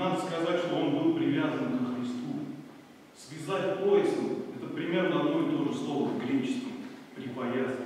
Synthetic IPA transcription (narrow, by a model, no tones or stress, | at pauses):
nad̪əskɐzatʲʂt̪oonbulpɾʲɪvʲazənkəxɾʲɪst̪u | svʲɪzatʲpo̞jɪst̪ʊɛt̪əpɾʲɪmʲe̞rnəɐd̪noɪt̪oʐəslˠo̞vəvɡɾʲet͡ɕɪ̥skʲɪxpɾʲɪpɐjat̪s